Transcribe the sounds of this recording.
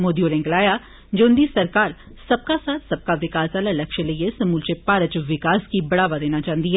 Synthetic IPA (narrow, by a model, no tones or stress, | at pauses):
moːd̪ioːɾɛ̃ːŋɡlaːjaː | d͡ʒoʊnd̪isəɾkaːɾ | sɐb̚kasaːt̪ʰsɐb̚kaʋɪkaːsaːlalɐkʃeləiesəmuːlt͡ʃepaːɾət͡ʃʋɪkaːskibɐɽaːʋad̪eːnaːt͡ʃaːnd̪iɦɛː